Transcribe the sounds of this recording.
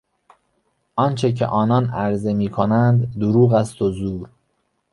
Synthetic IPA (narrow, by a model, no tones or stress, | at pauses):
ʔɒnt͡ʃʰecʰḛʔɒːnɒːnæɾze̞miːkʰonænd̪d̪uɾuːɣæst̪ozuːɾ